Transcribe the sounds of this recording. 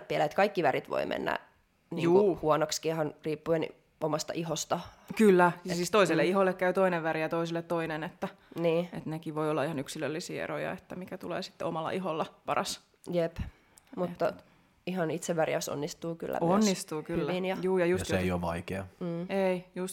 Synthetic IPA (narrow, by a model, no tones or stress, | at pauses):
iælæet̪kɑikːiʋærit̪ʋo̰imʔḛnːæ̰ | nijŋuuhuonokskihɑnriːpːuen | omɑst̪ɑ̰ʔiɦost̪ɑ | kylːæjɑsiːst̪oisilːeihoilːekkæyt̪oineʋʋæɾijɑt̪oisilːet̪t̪oinenet̪ːæniːet̪nekiʋʋoiolːɑihɑnyksilølːisḭːḛɾo̰jɑ̰et̪ːæmikæt̪ulḛːsi̥t̪ːḛomɑlːɑ̰ʔiɦolːɑpɑrɑs | jep | mut̪ːɑ | ihɑnit̪seʋʋærjɑso̰nːist̪uːky̰lːæ̰onːist̪uːkyyːinjɑjuːjɑjussejoʋɑ̰ikeɑm̩ːeijust̪